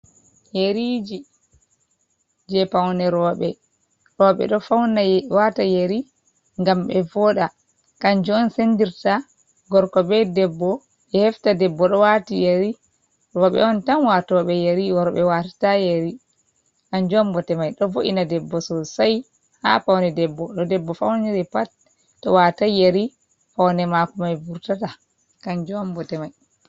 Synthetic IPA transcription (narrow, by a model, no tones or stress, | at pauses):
jeɾid͡ʒi | d͡ʒɛpawnɛɾɔɓɛ | ɾɔɓɛ̰ɗɔfawnawatajeɾi | ŋɡamɓɛvɔɗa | kaɲd͡ʒɔːnsendiɾta | ɡɔɾkɔɓɛdɛbːɔ | ɛhɛftadɛbːɔɗɔwatijeɾi | kɔɓɛ̰ɔntamwatɔwɓɛjeɾiwaɾɔɓɛwatḁtajeɾi | kaɲd͡ʒɔmbɔtɛmajɗɔvoʔinadɛbːɔsɔsaj | ha̰fawnɛdɛbːɔɗɔdɛbːɔfawnɛɛɾɛpat | tːɔwatajeɾi | fawnɛmakumajvuɾtata | kaɲd͡ʒuɔmbɔtɛmaj